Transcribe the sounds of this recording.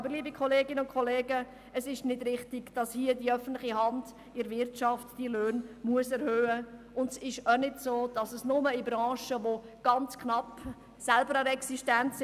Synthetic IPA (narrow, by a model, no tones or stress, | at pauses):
ɑbəɾliːbikʰɔleːɡɪnəʊnkʰɔleːɡə | əsɪʃnɪdɾɪχtɪɡ̥d̥ɑshiədiœfən̩tlɪχihɑnd | ɪɾvɪrtt͡ʃɑftd̥iløːnmuəsɛɾhøːə | ʊndsɪʃanɪdsoːd̥ɑsəsnʊməɪbɾɑ̃ːʃəʋo | ɡ̥ɑnt͡skʰnɑp | sɛlbəɾaɛksiʃtɛntsɪ